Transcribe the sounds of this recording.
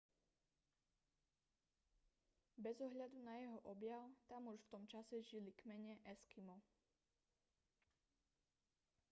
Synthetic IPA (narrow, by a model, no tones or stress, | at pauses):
bɛzɔɦʎad̪unajɛɦɔʔɔbjaʊt̪amuʃft̪ɔmt͡ʃasɛʒilikmɛɲɛʔɛskimɔ